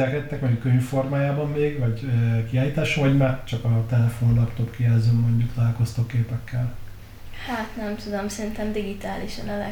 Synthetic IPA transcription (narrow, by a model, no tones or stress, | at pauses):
ɛkɛt̪ːɛkmɔɲukːøɲfo̞rmaːjaːbɒmːeːɡvɒɟøkiaːjiːt̪aːʃovɒɟmɛt͡ʃɒkɒt̪ɛlɛfo̞nlɒpt̪opkijɛlzøːmːo̞ɲɟukt̪ɒlaːlko̞st̪oːkːeːpɛkʰːɛl | haːt̪nɛmt̪ud̪omsɛɾint̪ɛmd̪iɡit̪aːliʃɒnɒlɛ̰